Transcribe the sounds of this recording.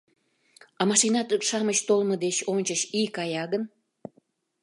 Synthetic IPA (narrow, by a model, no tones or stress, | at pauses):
ɑmɑʃinɑt̪ykʃɑməɕt̪olməd̪et͡ɕonʲt͡ɕəɕikɑjɑɣən